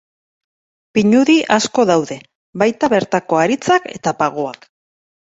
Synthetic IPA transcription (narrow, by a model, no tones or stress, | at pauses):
piɲuðiʔasko̞ðawðe̞ | βajt̪aβe̞ɾt̪ako̞aɾit͡sake̞̰t̪apaɣo̞ak